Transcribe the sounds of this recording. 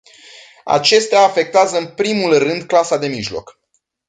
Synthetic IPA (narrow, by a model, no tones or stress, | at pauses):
a̰t͡ʃe̞st̪eaːfe̞k̚t̪eazəɨnpɾimulrɨnd̪̚klasad̪e̞miʒlo̞̰k